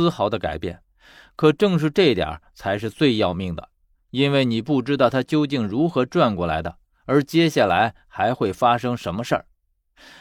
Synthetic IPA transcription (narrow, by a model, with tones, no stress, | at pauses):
xɑ˧˥ʊd̪ə˧ka̰˨˩ɪpjɛ̰˥˩n | kʰɤ˨˩ʈ͡ʂɤ˥˧ŋʂ̬ɻ̩˥˧ʈ͡ʂɤ˥˩˥t̪jə̰˞˨˩t͡sʰa˧˥ɪʂ̬ɻ̩˥˧t͡swe˥˧ɪjɑ˥˧ʊmi˥˩ŋd̪ə̰˩ | i˥nwe˥˩ɪni˨˩pu˥˩ʈ͡ʂɻ̩˥t̪ɑ˥˩ʊt̪ʰa˥t͡ɕjo˥ʊt͡ɕi˥˩ŋɻu˧˥xɤ˧˥ʈ͡ʂwa˥˧nkwɔ˥˩la̰˧˥ɪd̪ə̰˧ | ə˞˧˥t͡ɕjɛ˥ɕja˥˩la˧˥ɪ | xa˧˥ɪxwe˥˩ɪfa˥ʂɤ˥ŋʂə˧˥nmə˧ʂə̰˞˥˩